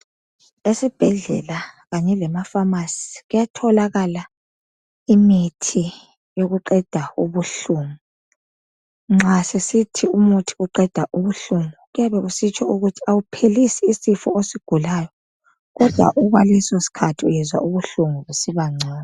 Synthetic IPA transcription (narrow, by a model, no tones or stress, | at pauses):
esib̥ʱɛɮɛ̰laɣaɲɛlɛmafamasi̥ɣujatʰɔlaɣala | imitʰi | joɣuǃɛd̥ʱauβuɬuŋu | ŋ͡ǁʱasesitʰiumutʰi̥uǃɛd̥ʱaʔuβuɬumuɣujaβɛɣusit͡ʃʰɔuɣutʰiawupʰelisiːsifɔosiɡ̥ʱulajɔ | ɣɔd̥ʱwa̰ʔuɣwalɛsosi̥kʰatʰiujɛzwa̰uβuɬuŋuβusiβaŋ͡ǀʱɛːna